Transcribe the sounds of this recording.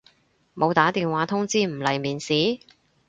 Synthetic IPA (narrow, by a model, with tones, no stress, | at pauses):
mo˨˧wt̪aː˨˥t̪iː˨nwaː˨˥t̪ʰʊ˥ŋt͡siː˥m̩˨˩lɐ˨˩jmiː˨˩nsiː˨˥